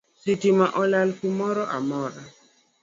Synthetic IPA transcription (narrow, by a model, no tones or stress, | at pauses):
sitimaʔɔlalkumɔɾɔʔa̰mɔɾa